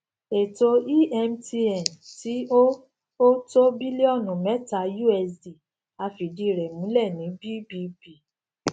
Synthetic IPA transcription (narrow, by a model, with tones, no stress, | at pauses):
e˨to˧i˦ɛ˧mti˧ɛ˨nti˨˦o˦ | o˦to˦bi˦li˦ɔ˦˨nũ˨mɛ˦ta˧˦ju˦ɛ˧si˨ | a˧fi˨di˦˨ɾɛ˨mũ˨˦lɛ˦˨nĩ˨˦bi˦bi˧bi˨